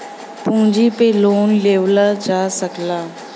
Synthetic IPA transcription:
pũːd͡ʒipeloːnleːʋlad͡ʒaːsəklaː

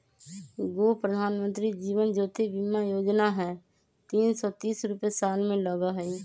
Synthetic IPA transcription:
ɡoːpɾəd̪ʱaːnmə̃nt̪ɾid͡ʒiːʋənd͡ʒoːt̪ebɪmajoːd͡ʒnaɦɛː | t̪iːnsɔːt̪iːsɾʊpesaːnmẽləɡaɦɛi

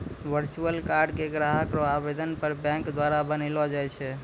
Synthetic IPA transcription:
ʋəɾt͡ʃuəlkaɾɖkeɡɾaɦəkɾɔabed̪ənpəɾbɛ̃ŋkd̪waɾabənɛlɔd͡ʒajt͡ʃʰɛ

